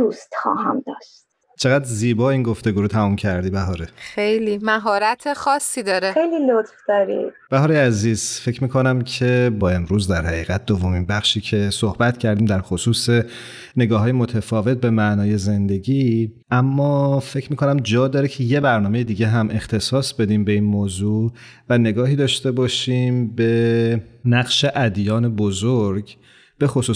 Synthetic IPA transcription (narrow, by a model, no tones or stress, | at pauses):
d̪uːst̪xɒ̰ːɦæmd̪ɒːʃt̪ | t͡ʃʰe̞ɣæd̪ziːbɒːiːnɡo̞ft̪e̞ɡuːɾot̪ʰæmumcʰæɾd̪iːbæɦɒːɾexejlimæɦɒːɾæt̪ʰexɒːsːiːd̪ɒːɾexejlilot̪ft̪ɒɾḭd̪̥b̥æɦɒːɾejeæziːz̥fe̞cʰmiːkʰo̞næmcʰe̞bɒːe̞mɾuːzd̪æɾhæɣiːɣæt̪̚ʰd̪ovominbæχʃiːcʰe̞sohbæt̪cʰæɾd̪iːmd̪æɾxosuːse̞ | ne̞ɡɒːɦɒːjemot̪ʰefɒːve̞t̪̚be̞mæʔnɒːje̞ze̞nd̪e̞ɟiː | æmːɒːfe̞cʰɾmiːkʰo̞næmd͡ʒɒːd̪ɒːɾecʰeje̞bæɾnɒːme̞jed̪iːɟe̞ɦæmʔe̞xt̪ʰe̞sɒːsbe̞d̪iːmbe̞inmoːzu | væne̞ɡɒːɦiːd̪ɒːʃt̪e̞bɒːʃimbe̞ | næɣʃe̞ʔæd̪jɒːne̞bozoɾɟ | b̥e̞xosuː